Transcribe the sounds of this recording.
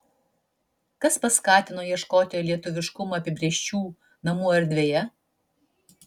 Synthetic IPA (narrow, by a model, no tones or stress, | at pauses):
kɐspɐskɑːt̪ʲɪnoːjiɛʃkoːt̪ʲelʲiɛt̪ʊʋʲɪʃkʊmɐɐpʲɪbʲɾʲeɛʃʲt͡ʃʲuː | nɐmuːɐɾʲd̪ʲʋʲeːjɛ